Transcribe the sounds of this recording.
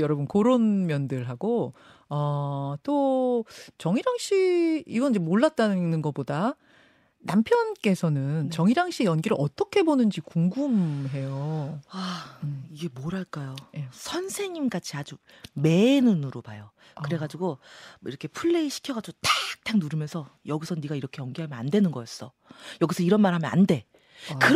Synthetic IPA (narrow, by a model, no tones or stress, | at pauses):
jʌɾʌbunkoɾonmjʌndɯɭɦaɡo | ʌt͈o | t͡ɕʌŋiɾaŋɕ͈iiɡʌnid͡ʑemoɭːat̚t͈anɯnɯnɡʌpoda | nampʰjʌnk͈e̞sʰʌnɯnt͡ɕʌŋiɾaŋɕ͈ijʌnɡiɾɯʔʌt͈ʌkʰe̞bonɯnd͡ʑikuŋɡumɦe̞joaiɡe̞moɾaɭk͈ajoesʰʌnsʰe̞ŋimkat͡ɕʰiad͡ʑu | me̞nunuɾopajo | kɯɾe̞ɡad͡ʑiɡoḭɾʌkʰepʰuɭːe̞iɕʰi̥kʰjʌɡad͡ʑiɡotak̚t͈aŋnuɾɯmjʌnsʰʌjʌɡisʰʌniɡaiɾʌkʰe̞jʌnɡiɦamjʌnandwe̞nɯnɡʌjʌs͈ʌ | jʌɡisʰʌiɾʌnmaɾɦamjʌna̰nde̞ | kɯɾ